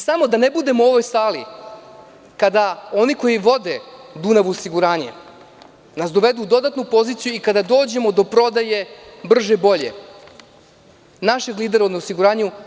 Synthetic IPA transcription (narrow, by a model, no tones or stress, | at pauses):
samo̞d̪anebud̪e̞moo̞ʋo̞jsaːli | kad̪ao̞niko̞jiʋo̞d̪ed̪unaʋuosiɡuɾaːɲḛ | nasd̪oʋe̞d̪uːd̪o̞d̪at̪nupo̞zit̪sijuikad̪ad̪o̞ːd͡ʑe̞mo̞d̪o̞pɾo̞d̪aje̞br̩ʒebo̞ʎḛ | naʃe̞ɡliːd̪e̞ɾauneosiɡuɾaːɲu